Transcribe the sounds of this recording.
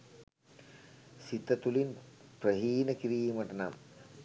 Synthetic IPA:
sit̪ɐt̪ulinprɐɦiːnɐkiɾiːmɐʈɐna̰m

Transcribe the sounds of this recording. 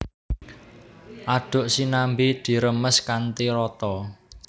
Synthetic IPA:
ʔaɖ̥ʊ̤ʔsinambid̪̥i̤ɾəməskant̪iɾɔt̪ɔ

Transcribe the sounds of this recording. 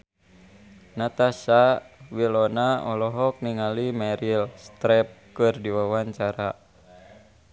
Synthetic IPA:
nat̪asawilɔnaɔlɔɦɔk̚niŋalimɛɾilst̪ɾɛp̚kɨrdiwawaɲt͡ʃaɾa

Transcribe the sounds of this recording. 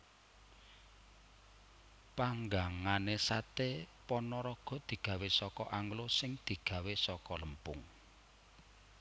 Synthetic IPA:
paŋɡaŋanesat̪epɔnɔɾɔɡ̥ɔ̤d̪̥i̤ɡ̥ä̤wesɔkɔʔaŋɡlosɪŋd̪̥i̤ɡ̥ä̤wesɔkɔləmpʊŋ

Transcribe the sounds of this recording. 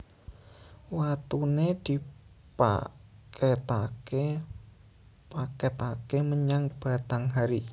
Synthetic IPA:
wat̪uned̪̥i̤ | pa̰ket̪a̰ke | paket̪akeməɲaŋb̥a̤t̪aŋɦaɾi

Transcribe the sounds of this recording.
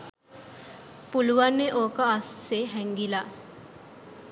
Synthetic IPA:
puluʋanːeʔoːkəasseɦɛŋɡila

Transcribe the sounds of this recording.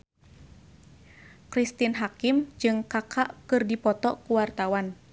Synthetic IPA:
kɾist̪inɦakimd͡ʒɨŋkakʰaʔkɨrdipɔt̪ɔ̰kuwart̪awan

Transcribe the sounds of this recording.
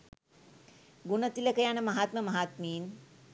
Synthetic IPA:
ɡunət̪iləkəjanəmɐɦaːt̪məmɐɦaːt̪miːn

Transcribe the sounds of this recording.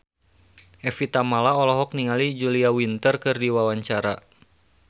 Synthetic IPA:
ʔɛfit̪amalaɔlɔɦɔk̚niŋalid͡ʒuliawint̪ərkɨrdiwawaɲt͡ʃaɾa

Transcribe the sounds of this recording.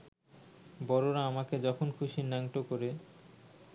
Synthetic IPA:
bɔɾoɾaamaked͡ʑɔkʰonkʰuʃinaŋʈokoɾe

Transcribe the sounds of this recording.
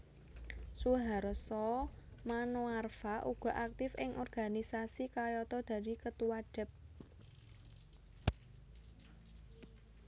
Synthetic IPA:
suɦaɾsɔmanoarfaʔuɡ̥ɔ̤ʔak̚t̪ɪfɪŋʔɔrɡ̥a̤nisasikajɔt̪ɔd̪̥ä̤d̪ikət̪uwaɖ̥ɪ̤p̚

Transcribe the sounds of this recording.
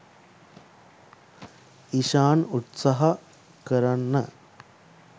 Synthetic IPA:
iʃaːnut̪sɐɦɐ | kɐɾɐnːɐ

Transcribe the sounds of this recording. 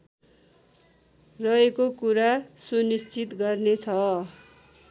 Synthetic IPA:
rʌekokuɾasunist͡sit̪ɡʌrnet͡sʰʌ

